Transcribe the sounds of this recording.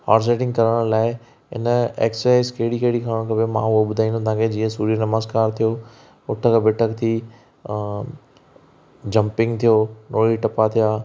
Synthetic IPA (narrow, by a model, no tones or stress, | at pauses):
haːɾs̬eːʈɪ̃ŋɡkɐɾəɽ̃laːɪ | ɪ̰nəḛːksaːɪskeɦɽikeɦɪɽikʰəəɽ̃kʰɐbemã̰ʊɦoɓʊd̪ʱaːĩnd̪ot̪ãːkʰed͡ʑiːə̃suːɾijnɐməzkaːɾt̪ʰijoː | ʊʈʰəkʰbɪʈʰəkt̪ʰiː | d͡ʑɐ̃mpɪ̃ŋɡt̪ʰijoːnoːɭiʈɐpat̪ʰijaː